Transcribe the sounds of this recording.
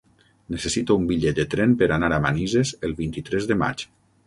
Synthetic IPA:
nesesit̪oumbiʎɛt̪̚d̪ət̪ɾɛmpəɾanaɾamanizezəlˠβint̪it̪ɾɛzðəma̰t͡ʃ

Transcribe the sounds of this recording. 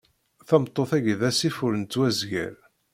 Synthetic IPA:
θæmt̪ˤːoθæʝðæsifʊɾənt͡s̪ːwæzʝæ̰ɾ

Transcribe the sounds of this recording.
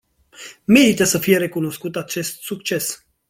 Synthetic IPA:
me̞ɾit̪əsəfije̞ɾe̞kuno̞skut̪at͡ʃe̞st̪sukt͡ʃe̞s

